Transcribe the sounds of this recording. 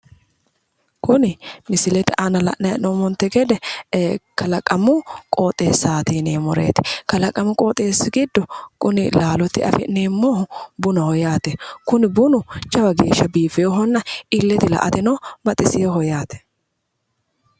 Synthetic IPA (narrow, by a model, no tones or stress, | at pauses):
kʊnɪmɪsɪlɛt̪ɪʔanɐlɐ̰ʔnɐjɐnoːmɔnt̪ːɛɡɛd̪ɛ | kɐlɐkʼːɐmʊkʼoːt̪ʼːeːsːaːt̪iːneːmɔɾḛːt̪ɪ̥kɐlɐkʼɐmʊkʼoːt̪ʼeːsːɪɡɪd̪ːɔkʊnɪlaːlɔt̪ːɪɐ̰fɛ̰neːmːɔhʊbʊnɐhɔjaːt̪ɛkʊnɪbʊnʊt͡ʃɐwɐɡe̞ːʃːɐbiːfɛjoɦɔnːɐʔɪlːɛt̪ɪlɐ̰ʔɐ̰t̪ɪnɐwbɐt̪ʼːɪsɪjɔɦɔjaːt̪ɛ̥